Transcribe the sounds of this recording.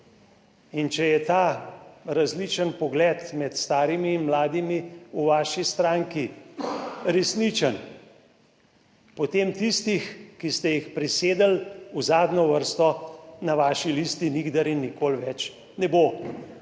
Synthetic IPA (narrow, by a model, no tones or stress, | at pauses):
int͡ʃɛjɛt̪aːɾazlit͡ʃənpɔɡlɛt̪mɛt̪st̪aːɾimiːnmlaːd̪imiuʋaːʃist̪ɾaːŋki | ɾɛsnit͡ʃən | pɔt̪eːmt̪ist̪ixkist̪ɛjixpɾiseːd̪əluzaːd̪nɔʋəɾst̪ɔnaʋaːʃilist̪iniɡd̪aɾinːikoːlʋɛt͡ʃ | nɛbo